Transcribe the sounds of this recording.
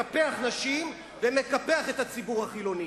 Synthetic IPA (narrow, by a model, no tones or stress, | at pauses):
apeaχnaʃim | veme̞kapeaχet̪hat͡sibuʁhaχilo̞ni